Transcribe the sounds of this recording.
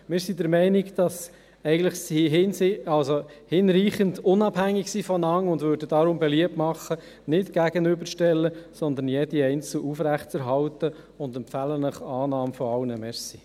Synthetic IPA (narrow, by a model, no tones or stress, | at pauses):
mɪːɾsidəɾmɛɪniɡd̥ɑs | ɛɪɡən̩dləχsiɦɪnsɑlsohɪnɾiːχəndʊnɑbhæŋːiksifɔnɑŋːʊndʋøːɾdədɑɾʊmbɛliəp̚tmɑχːə | nɪtɡ̥æɡənʏbəɾʃtɛlːəsɔnd̪ən̩jɛdiɛɪnt͡sl̩ʔufɾæχtt͡sɛɾɦɑltə | ʊnd̪ɛmpfælənəχɑːnɑːmfɔɑwnəmɛsi